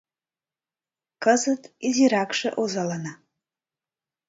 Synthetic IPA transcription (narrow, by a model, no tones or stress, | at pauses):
kəzɨtʰʼiziɾakʂɨ̰ʔuzalana